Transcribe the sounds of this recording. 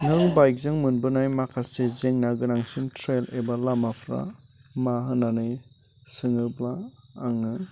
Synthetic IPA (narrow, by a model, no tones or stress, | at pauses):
nɯŋbajk̚zɯŋmɯnbɯnajmakʰasezeŋnaɡɯnaŋsimtʰɾelebalamapʰɾa̰ | maɦɯnanɯj | sɯŋɯblaːŋɯ